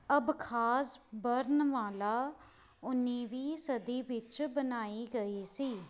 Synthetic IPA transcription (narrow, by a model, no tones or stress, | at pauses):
əbkʰaːsbəɾnʋaːlaː | ʊnːiːʋiːsəd̪iːʋɪt͡ʃbənaːiːɡəiːsiː